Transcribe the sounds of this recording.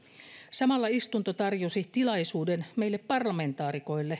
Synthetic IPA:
sɑmɑlːɑist̪unt̪ot̪ɑrjosit̪ilɑjsuːdenme̞ilːepːɑrlɑme̞nt̪ɑːɾiko̞jlːe

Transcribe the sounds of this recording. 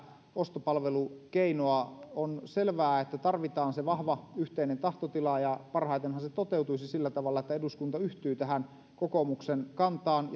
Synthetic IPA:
ost̪opɑlʋelukeinoɑonselʋæːet̪ːæt̪ɑrʋit̪ɑːnseʋɑhʋɑyht̪einent̪ɑht̪ot̪ilɑjɑpɑrhɑijt̪enhɑnset̪ot̪eut̪uisisilːæt̪ɑʋɑlːɑet̪ːæeduskunt̪ɑyht̪yːt̪æɦæn | kokomuksenkɑnt̪ɑːnj

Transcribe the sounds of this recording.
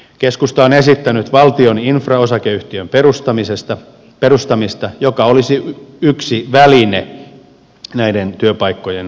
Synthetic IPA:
keskust̪ɑonesit̪ːænyt̪ʋɑlt̪io̞ninfrɑosɑkeyht̪iømperust̪ɑmisest̪ɑ | perust̪ɑmist̪ɑjokɑolisiyksiʋæline | næident̪yøpɑikːojen

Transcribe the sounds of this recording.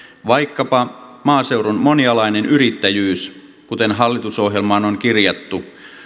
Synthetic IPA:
ʋɑikːɑpɑmɑːseuronmonjɑlɑinenyɾit̪ːæjyːs | kut̪enɦɑlːit̪uso̞ɦjelmɑːnoŋkirjɑt̪ːu

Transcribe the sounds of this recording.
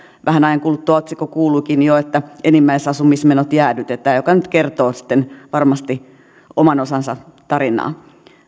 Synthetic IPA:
ʋʔæhænɑjɑŋkuːlut̪ːuɑot̪sikokuːlukinjoet̪ːæʔenimːæisɑsumismenot̪jæːlyt̪et̪æːjokɑnyt̪kert̪oːsi̥t̪ːenʋɑrmɑst̪i | omɑnosɑnsɑt̪ɑɾinˑɑ̰ː

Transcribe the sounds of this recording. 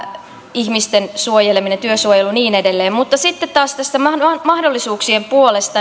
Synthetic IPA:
içmist̪ensuojeleminet̪yøsuojeluniːnedelːeːmmut̪ːɑsit̪ːet̪t̪ɑːst̪æst̪æmɑmɑhdolːisuːksiempuolest̪ɑ

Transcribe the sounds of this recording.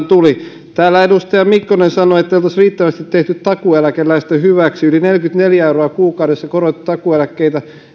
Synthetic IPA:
t̪uli | t̪æːlːæedust̪ɑjɑmikːonensɑnoet̪ːæeilot̪ɑsriːt̪ːæʋæst̪it̪t̪eht̪yt̪t̪ɑkuælækelːæist̪ehyʋæksiylinelkyt̪neljæeuroɑkuːkɑwɾesːɑkorot̪ːi̥t̪ɑkuelækːeit̪æ

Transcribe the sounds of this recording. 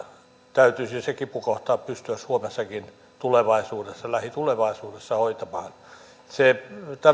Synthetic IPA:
t̪æyt̪ysisekipukoht̪ɑːppyst̪yæssuomesːɑkin | t̪uleʋɑisuːdesːɑlæhit̪uleʋɑisuːdesːɑhoit̪ɑmɑːn | set̪æ

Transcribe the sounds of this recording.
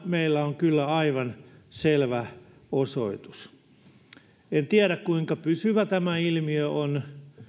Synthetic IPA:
meilːæoŋkylːæɑiʋɑnselʋæ | osoit̪u̥s | ent̪iæɾækkuiŋkɑpysyʋæt̪æmæilmiøon

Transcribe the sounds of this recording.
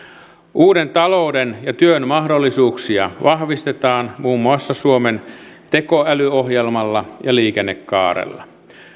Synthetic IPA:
ʔuːde̞nt̪ɑloudenjɑt̪yønmɑhdo̞lːisuːksiɑʋɑhʋist̪et̪ɑːnmuːmːuɑsːɑsuoment̪e̞ko̞ælyoɦjelmɑlːɑjɑliːkenːekːɑ̰ːɾḛlːɑ̰

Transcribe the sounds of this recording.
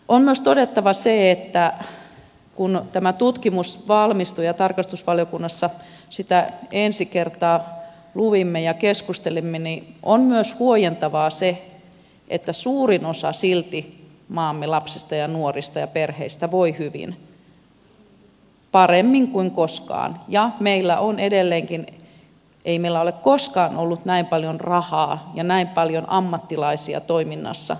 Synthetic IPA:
ʔommyøst̪odet̪ːɑʋɑseet̪ːæ | kunt̪æmæt̪ut̪kimusʋɑlmist̪ujɑt̪ɑrkɑst̪usʋɑljokunːɑsːɑ | sit̪æensikert̪ɑː | luʋimːejɑkeskust̪elimːeniʔonmyøshuojent̪ɑʋɑːse | ʔḛt̪ːæsuːrinosɑ̰silt̪i | mɑːmːelɑpsist̪ɑjɑnuorist̪ɑjɑperheist̪æʋoihyʋḭn | pɑremːiŋkuiŋkoskɑ̰ːnjɑmeilːæʔonedelːeːŋkin | ʔeimeilːæolekkoskɑːnolːut̪næimpɑljonrɑhɑːjɑnæimpɑljonɑmːɑt̪ːilɑisiɑ̰t̪oiminːɑ̰sːɑ̰

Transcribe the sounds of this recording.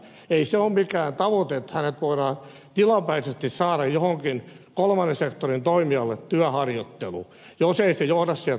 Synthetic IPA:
eiseommikæːnt̪ɑʋot̪eːt̪hænet̪ʋoiɾɑːn | t̪ilɑmpæisest̪issɑːɾɑjjohoŋkin | kolmɑnesekt̪orint̪oimiɑlːet̪t̪yæhɑrjot̪ːelṵ | joseisejohdɑssiæl

